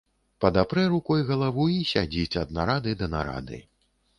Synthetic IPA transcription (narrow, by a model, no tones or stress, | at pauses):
pɐd̪apɾɛɾukɔjɣɐlˠavuisʲad͡zʲit͡sʲɐd̪̚naɾad̪ɨd̪ɐna̰ɾa̰d̪ɨ̰